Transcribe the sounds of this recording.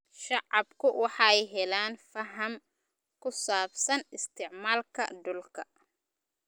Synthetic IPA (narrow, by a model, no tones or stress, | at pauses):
ʃɑʕɑbkʰʊwɑħɑɛjɦɛlaːnfɐɦɐm | kʰʊsaːbsɐnɪst̪ʰɪʕmaːlkʰɐ̰dʊlkʰɐ